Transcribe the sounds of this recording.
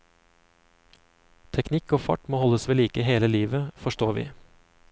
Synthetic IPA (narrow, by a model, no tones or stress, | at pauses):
t̪ʰɛknɪkoːfɑ̰ʈmoːhɔləsʋeːliːkəheːləliːʋəfɔʃʈoːʋḭː